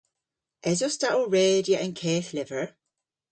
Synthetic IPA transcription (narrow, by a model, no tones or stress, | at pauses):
ʔɛzostaʔl̩ˠɹeːdjəʔə̃nkʰɛːθlɪvə˞